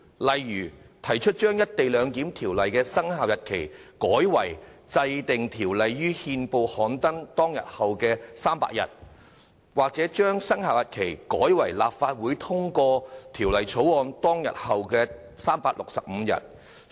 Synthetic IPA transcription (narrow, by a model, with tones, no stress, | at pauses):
lɐ˨jɥyː˨˩t̪ʰɐ˨˩jt͡ʃʰɵ˥t̚t͡ʃœː˥ŋjɐ˥t̚t̪e˨jlœː˨˧ŋk̪iː˨˥mt̪ʰiː˨˩wlɐ˨jkɛː˧sɐ˥ŋhaː˨wjɐ˨t̚kʰe˨˩jkɔː˨˥jwɐ̰˨˩jt͡sɐ˧jt̪ɪ˨ŋt̪ʰiː˨˩wlɐ˨jːyː˥hiː˧npo˨whɔː˨˥nt̪ɐ˥ŋt̪ɔː˥ŋjɐ̰˨t̚hɐ˨wkɛː˧saː˥mpa̰ː˧k̚jɐ̰˨˩t̚ | waː˨k̚t͡sɛː˨˥t͡ʃœː˥ŋsɐ˥ŋɦaː˨wjɐ˨t̚kʰe˨˩jkɔː˨˥jwɐ˨˩jla̰ː˨p̚faː˧t̚wuː˨˥jt̪ʰʊ˥ŋkɔː˧t̪ʰiː˨˩wlɐ˨jt͡sʰo˨˥wɔː˨˧nt̪ɔː˥ŋjɐ̰˨t̚hɐ˨wkɛː˧ | saː˥mpaː˧k̚lʊ˨k̚sɐ˨p̚m̩˨˧jɐ̰˨t̚